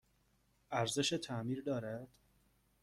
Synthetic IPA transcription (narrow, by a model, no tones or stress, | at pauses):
ʔæɾzeʃet̪ʰæmiːɾd̪ɒːɾæd̪̥